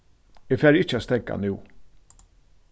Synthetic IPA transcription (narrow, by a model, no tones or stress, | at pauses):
ɪfæːɾɪt͡ʃːaːt̪st̪ɛka̰nʉː